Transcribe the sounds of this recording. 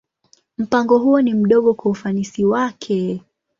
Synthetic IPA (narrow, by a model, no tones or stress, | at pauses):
m̩paŋɡɔɦuɔnim̩ɗɔɠɔkwaufanisiwakʰɛ